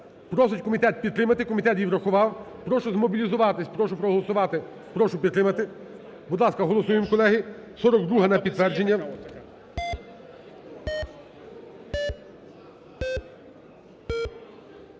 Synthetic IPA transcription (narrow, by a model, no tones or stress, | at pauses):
pɾɔsɪt͡ʃʲkɔmʲit̪ɛt̪̚pʲid̪t̪ɾɪmɐt̪ɪkɔmʲit̪ɛt̪ʋʲiwɾɐxʊʋɑw | pɾɔʃʊzmɔbʲilʲizʊʋɑt̪ɪsʲpɾɔʃʊpɾɔɦɔlˠɔsʊʋɑt̪ɪ | pɾɔʃʊpʲid̪t̪ɾɪmɐt̪ɪ | bʊd̪lˠɑskɐɦɔlˠɔsujɪmkɔlˠɛɦɪsɔɾɔɡd̪ɾuɦɐnɐpʲid̪t̪ʋɛrd͡ʒenʲːɐ